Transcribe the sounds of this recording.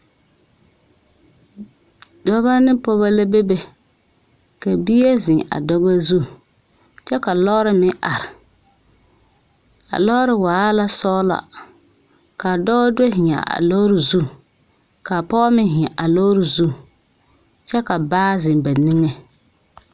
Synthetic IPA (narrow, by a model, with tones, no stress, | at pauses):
dɔ˦ba˦nɪ˦pɔ˦βa˦la˦be˦be˨ | ka˨bi˦a˦zɪ̃˨ŋa̰˨dɔ˦ɣa˦zu˦˨ | t͡ʃɛ˦ka˨lɔ˦ɾɪ˨mɪ˦ʔa˨ɾɪ˨ | a̰˨lɔ˦ɾɪ˨waː˨˦la˦sɔ˦la̰˨ | ka˨dɔ˦ɡɔ˦dwe˦ɦɪ˨a̰˨a̰˨lɔ˦ɾɪ˨zu˦ | ka˨pɔ˦mɪ˦ɦɪ̃˨a˨ʔa˨lɔ˦ɾɪ˨zu˦ | t͡ʃɛ˦ka˨baː˦zɪ˨nba˨ni˦ŋe˨